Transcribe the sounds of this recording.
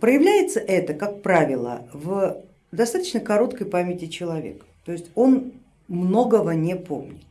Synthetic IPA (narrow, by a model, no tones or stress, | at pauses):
pɾəjɪvlʲæjɪt̪səʔɛt̪əkak̚pɾavʲɪlˠə̰v | d̪ɐst̪at̪ə̥t͡ɕnəkɐɾo̞t̪kəjpamʲɪtʲɪt͡ɕɪlˠɐvʲḛkə̥t̪o̞ɪsʲtʲo̞n | mno̞ɡəvənʲepo̞̰mnʲɪt̪